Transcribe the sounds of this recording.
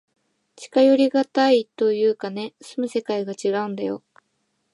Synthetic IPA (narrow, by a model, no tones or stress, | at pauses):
t͡ɕi̥kajo̞ɾʲiɡat̪ait̪o̞jɯ̟ːkane̞sɨmɯ̟se̞kaiɡat͡ɕiɡaɯ̟̃nd̪ajo̞